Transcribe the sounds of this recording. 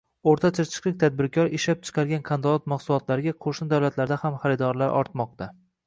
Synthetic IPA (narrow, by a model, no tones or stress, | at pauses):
oɾt̪ʰat͡ʃʰat͡ʃʰɨ̥qlˠɪk̚ʲt̪ʰad̪̚bɪɾkʲʰɒɾɪʃlap̚t͡ʃʰɨ̥qʰɑɾɡʲankʰand̪ɒlɒt̪maχsʊlˠɒt̪laɾɪɡʲaqʰoʃnɪd̪awlat̪laɾd̪ahamχaɾɪd̪ɒɾlaɾʔɒ̰ɾt̪mɒq̚t̪ʰa